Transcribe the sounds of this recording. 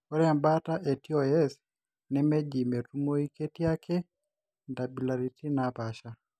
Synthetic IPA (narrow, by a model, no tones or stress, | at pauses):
ɔɾɛambataʔɛtiɔɛs | nɛmɛd͡ʒimɛtumoikɛtijakʰɛ | ndabilaɾitinapaʃa